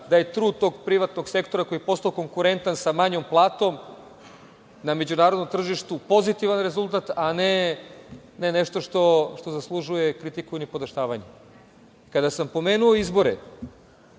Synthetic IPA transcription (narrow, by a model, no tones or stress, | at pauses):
d̪aje̞t̪ɾuːd̪̚t̪o̞ɡpɾiʋat̪noɡse̞kt̪o̞ɾako̞jipo̞st̪aoko̞ŋkuɾe̞nt̪ansamaɲo̞mplˠaːt̪o̞m | named͡ʑunaːɾod̪nomt̪r̩ʒiʃt̪upo̞zit̪iʋanɾe̞zulˠt̪at̪ane | neneʃt̪o̞ʃt̪o̞ʃt̪o̞zaslˠuʒujekɾit̪ikuinipo̞d̪aʃt̪aːʋaɲe | kad̪asampo̞me̞ːnuoizbo̞ɾḛ